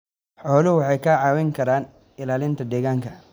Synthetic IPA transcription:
ħɔːlɪʊwɑħɑjkʰɐʕɑːwɛŋkʰɐɾaːn | ɪlaːlɪnt̪ʰɐd̪ɛːɣaːŋkʰɐ

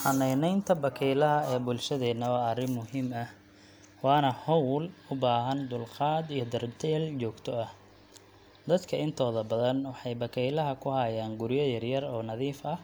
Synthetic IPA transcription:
ħɐnɛjnɛjnt̪ʰɐbɐkʰɛjlɐɦɐɛːbʊlʃɐðɛːnɐwɑːɐrɪmmʊɦiːmɐh | wɑːnɐhɔwlʊbaːɦɐnd̪ʊlqɑːd̪ijɞd̪ɐrd̪ʰɛːlt͡ʃɔːɡt̪ʰɔɐh | d̪ɐd̪kʰɐɪnt̪ʰɔːðɐbɐðɐnwɑħɑjbɐkʰɛjlɐɦɐkʰʊhɐjaːŋɡʊɾɪjɐjɐrjɐrɔːnɐðiːfɐh

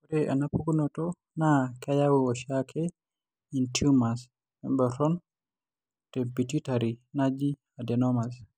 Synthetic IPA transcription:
kudɛʔa̰napuɡunɔtɔ | nakajawiɔʃakʰɛ | intumas | ɛ̰mbɛɾɔn | tɛbititaɾinad͡ʒi | adɛnɔmas

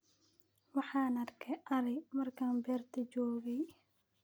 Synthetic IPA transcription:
wɑħɑːnɐrkʰɛʔɐɾɛjmɐrkʰaːnbɛːrt̪ʰɐd͡ʒɔːɣɛj

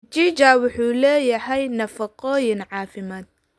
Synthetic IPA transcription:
d͡ʒid͡ʒaːwʊħuːlɛːjɐɦɛjnɐfɑqɔːjɪnʕɑːfɪmaːd̪̚

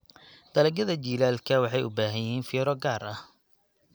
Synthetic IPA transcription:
d̪̥ɐlɐɡɐðɐt͡ʃiːlaːlkʰɐwɑħɑjʊ̰baːɦɐjɪɦiːnfɪɾɔɡaːrɐh

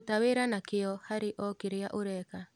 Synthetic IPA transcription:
taweɾanakɪɔhaɾiʔɔkiɾɪaʔoɾɛka

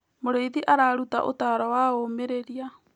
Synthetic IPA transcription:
moɾejðiʔaɾaɾuta̰ʔo̰taɾawaomeɾeɾia

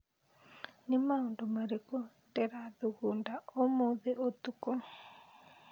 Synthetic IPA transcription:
nɪmaondomaɾekɔ | tɛɾaðuɣundaomoðeʔot̪ukɔ

